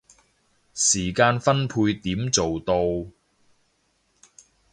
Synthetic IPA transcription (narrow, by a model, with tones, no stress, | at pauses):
siː˨˩kaː˧nfɐ˥npʰuː˧jt̪iː˨˥mt͡so˨wt̪o˧w